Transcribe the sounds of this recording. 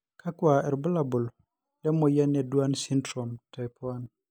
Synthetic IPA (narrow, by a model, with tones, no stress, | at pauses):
kʰa˦kwa˨ɛ˨ɾbɔ˦la˨bu˨l | lɛ˦mɔ˨ja˦nɛ˨dwa˦nsi˦ndɾɔ˨mta˨jpʰwa˦n